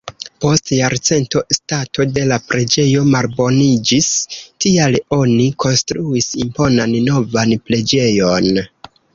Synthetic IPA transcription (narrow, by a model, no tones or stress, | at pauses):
po̞stjaɾt͡se̞nto̞stato̞de̞lapɾe̞d͡ʒe̞jo̞malbo̞nid͡ʒistialo̞nikʰo̞nstɾuisimpo̞nanno̞vanple̞d͡ʒe̞jo̞n